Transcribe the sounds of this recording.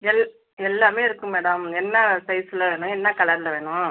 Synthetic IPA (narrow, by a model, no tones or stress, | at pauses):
ɛl | ɛlːaːmeːɪɾɯkːɯ̃meːɽɐmɛnːɐsɐɪsɪlɐʋeːɳʊ̃ɛnːɐkɐɭɐɾlɐʋeːɳʊ̃